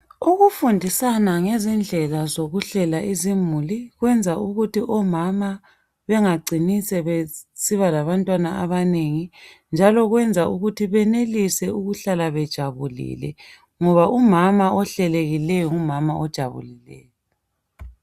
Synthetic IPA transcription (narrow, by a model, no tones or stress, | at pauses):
uɣufundʱisanaŋezind͡ɮʱɛlazoɣuɬɛlaʔizimuliɣwɛnd͡zʱauɣutiʔɔmama | βɛŋaɡ͡ǀʱinisɛβesiβalaβantʼwanaaβaneŋi | nd͡ʒʱalɔɣwɛnd͡zʱaʔuɣutʰiβɛnelisɛuɣuɬalaβɛd̥ʒ̥ʱaβulḭlɛ̰ | ŋɔβaumamaʔɔɬɛleɣilɛjɔumamaɔd̥ʒ̥ʱaβṵlilɛ̰ːjɔ